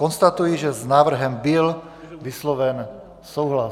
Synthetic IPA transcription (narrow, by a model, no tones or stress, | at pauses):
ɔnst̪at̪ujiʒɛznaːʋr̩ɦɛmbil | ʋislɔʋɛn | suːɦla